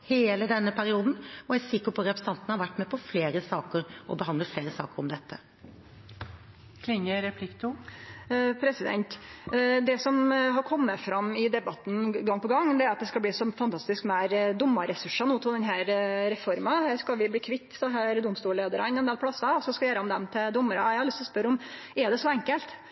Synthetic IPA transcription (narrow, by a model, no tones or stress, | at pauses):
heːləd̪ɛnːəpʰæɾɪuːd̪nɔæɪsɪkːəpʰɔɾɛpɾəsɑnt̪ənəhɑɾʋæʈːmɛpʰɔfleːɾəsɑːkəɾɔbəhɑnd̪ləfleːɾəsɑ̰ːkəɾɔmd̪ɛt̪ːə | kʰlɪŋːəɾɛpʰlɪkt̪ʰu | pʰɾɛsɪd̪ɛ̰nt̪d̪ɛsɔmɦɑɾkʰɔmːəfɾɑmːɪd̪ɛbɑt̪n̩ɡɑŋːpɔɡɑŋːd̪ɛæɾɑt̪̚d̪ɛskɑbliːsɔmfɑnt̪ʰɑst̪ɪskmæːɾd̪ʊmːɑɾɛsʉʂːɑnuːt̪ʰɔld̪ɛnɦæːɾɾɛfɔɾmɑhæːskɑlʋɪbliːkʰʋɪt̪ːsɔɦæːɾd̪ʊmst̪uːɭeːd̪əɾɑɪnɛnd̪eːlpʰlɑsːɑɔsɔskɑjeːɾəɑmd̪ɛmt̪ʰɪd̪ʊmːəɾɑjæɑlɪst̪ɔspœɾɔm | ɛɖ̪ɛsɔɛŋkəlt̪